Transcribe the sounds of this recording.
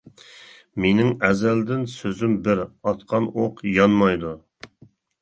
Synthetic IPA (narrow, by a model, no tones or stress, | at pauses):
menɪŋɛzæld̪ɪnsøzymbɪɾɑt̪qʰɑnʔoqjɑnmɑjd̪u